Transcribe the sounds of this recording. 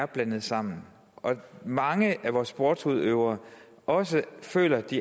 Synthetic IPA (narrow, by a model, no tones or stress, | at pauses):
ɐb̥lænð̩ˠsɑ̈m̰n̩ | ʔɒ̽mɑ̈ŋəʔæʋɒːsb̥ɔːd̥shuðˠøʊ̰ɐː | ʔɒ̽s̬əfø̰ːlɐd̥i